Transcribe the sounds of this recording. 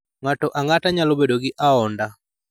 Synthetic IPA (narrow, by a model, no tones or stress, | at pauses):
ŋatɔʔaŋataɲalobedoɡɪʔaɔnda